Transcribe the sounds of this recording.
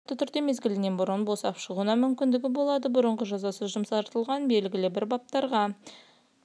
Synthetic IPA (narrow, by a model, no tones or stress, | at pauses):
t̪ːət̪ʰʏɾd̪e̞me̞zɡʲɪlɪne̞nbʊɾənbo̞sɑpʃəʁuənɑmʏmkʲɪnd̪ɪɡʲɪbo̞lˠɑd̪əbʊɾəɴʁəʒɑzɑsəzʒʊmsɑɾt̪əlˠʁɑnbe̞lɡʲɪlɪbɪɾbɑp̚t̪ɑɾʁɑ